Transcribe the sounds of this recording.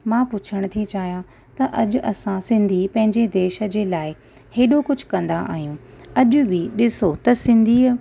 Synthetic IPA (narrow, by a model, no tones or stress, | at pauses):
mãːpʊt͡ɕʰəɽ̃t̪ʰit͡ɕaːɦijã | t̪ɐʔɐʄʊʔɐsãsɪ̃nd̪ʱipɐ̃ɦɪ̃ɲd͡ʑed̪eːʃə̆d͡ʑeːlaːɪ | heːɗokʊd͡ʑʱʊ̥kɐ̃nd̪aʔa̰ːɦijũːɐʄʊ̆bɪɗɪsot̪ɐsɪ̃nd̪ʱiːə